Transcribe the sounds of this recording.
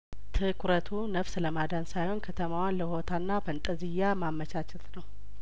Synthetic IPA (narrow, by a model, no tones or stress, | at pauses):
t̪ʰɨkʰuɾət̪ʰunəfsləmad̪ansajho̞nkʰət̪ʰəmawanləho̞t̪ʰanːafənt̪ʼəzɨjamamːət͡ʃat͡ʃʰɛt̪nəw